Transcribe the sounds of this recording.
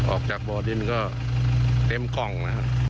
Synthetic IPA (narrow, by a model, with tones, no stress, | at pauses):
ʔɔ̰ː˨˩k̚t͡ɕaː˨˩k̚bɔː˧di˧˩˨nkɔː˥˩ | t̪e˧˥mkɔ˨˩ŋla˦˥ha̰˧˩ʔ